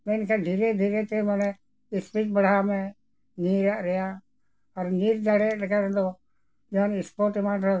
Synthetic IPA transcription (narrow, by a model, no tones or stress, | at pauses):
menkʰeːd̪ʱiːɾed̪ʱiːɾeːt̪emən | ɪspik̚bəɽ̤aːmẽː | niːɾɾɪjaː | əɾniːɾd͡ʒəɽeːnkʰeʋə̃ːnd̪oː | d͡ʒonɪspoːɾʈɪmãːɖɾə